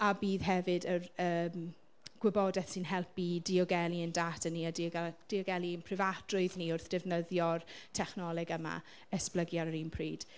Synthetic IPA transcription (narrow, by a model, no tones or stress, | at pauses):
abiːðɦɛvɨdərəːm | ɡ̥wɛbɔdɛθsɨnɦɛlˠpidiɔɡɛlˠiəndaːtʰənːiadd̥iɔɡɛlˠinpʰrɪvad̥rʊɨðniʊrθd̥ɛvnəðjɔrtʰɛχnɔlˠɛɡəma̰ | əspləɡjaɾəɾinpʰriːd̥